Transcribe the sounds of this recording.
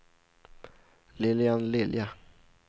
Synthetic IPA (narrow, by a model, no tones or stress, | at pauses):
lɪljanlɪlja